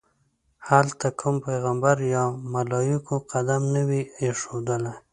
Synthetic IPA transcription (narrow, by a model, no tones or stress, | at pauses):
halt̪akʰumpajɣambaɾjɑmalɑjɪkoqad̪amnəwieʂod̪əlaj